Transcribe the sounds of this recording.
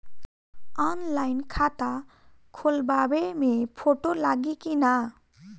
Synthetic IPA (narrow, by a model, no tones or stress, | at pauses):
ɔnlajnkʰat̪akʰolbabemepʰoʈolaɡikina